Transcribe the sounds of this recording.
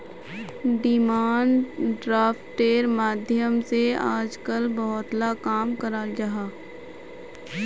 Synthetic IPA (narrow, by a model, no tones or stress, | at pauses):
ɖɪmaːɳɖɖɾaːfʈeːɾmaːd̪ʱjəmseaːd͡ʒkəlbɔɦʊt̪lakaːmkəɾaːd͡ʒaɦaː